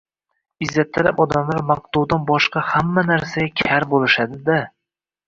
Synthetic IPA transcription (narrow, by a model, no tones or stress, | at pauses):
ɪzːat̪ʰːɪɾapɒd̪amlaɾmaq̚t̪uwd̪anbɒʃqɑhamːanaɾsaɡʲakʲʰaɾbolˠɪʃad̪ɪd̪a